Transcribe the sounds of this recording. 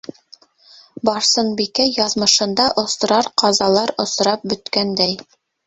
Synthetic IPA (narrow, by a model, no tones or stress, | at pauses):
bɑɾsɤnbikæjɑðmɤ̆ʃɤ̆nd̪ɑʔŏsɤ̆ɾɑɾqɑzɑlˠɑɾŏs̆ɾɑp̚bɵ̆t̪kænd̪æj